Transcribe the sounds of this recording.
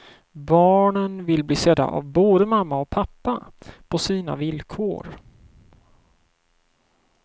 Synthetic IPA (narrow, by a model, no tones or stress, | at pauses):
bɑːɳənvɪlbliːsɛd̪a̰ʔa̰vboːd̪əmamːaɔk̚pʰapːapʰɔsiːna̰vɪlkʰo̰ːɾ